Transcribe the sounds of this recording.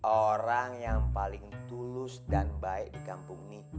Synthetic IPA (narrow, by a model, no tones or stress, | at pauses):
ʔoɾaŋjaŋpalɪŋt̪ulʊsdanbaɪk̚dikampuŋni